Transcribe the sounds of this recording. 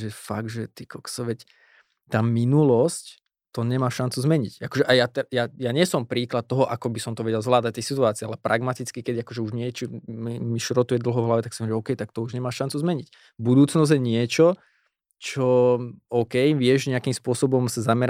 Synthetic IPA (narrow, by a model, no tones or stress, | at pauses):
ʒɛfa̰ɡ̚dʒɛt̪ikɔksɔʋɛc | t̪aːminulɔsc | t̪ɔɲɛmaːʃant͡suzmɛɲḭcakɔʒɛʔajat̪ɛjajaɲɪɛsɔmpɾiːklat̪̚t̪ːɔɦɔʔakɔbisɔmt̪ɔʋɛɟɛlzʋlaːd̪ac̚t̪ɛjsit̪uaːt͡siːalɛpɾʔaɡmat̪it͡skikɛd̪iakɔʒɛuʒɲɪɛt͡ʃɔmimiʃɾɔt̪ujɛd̪l̩ˠɦɔvɦlaʋɛt̪aksimɛʒɛɔkɛjt̪ak̚t̪ɔuʒɲɛmaːʃant͡suzmɛɲic | bud̪uːt͡snɔzjɛɲɪɛt͡ʃɔ | t͡ʃɔɔʊkɛjʋɪɛʒɲɛakimspʊɔsɔbɔmsazamɛɾa